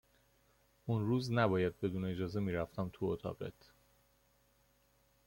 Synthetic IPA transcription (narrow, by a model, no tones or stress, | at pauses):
unruːznæbɒːjæd̪̚be̞d̪uːneːd͡ʒɒːze̞miːɾæft̪ʰæmt̪ʰuot̪ʰɒ̰ːɢḛt̪ʰ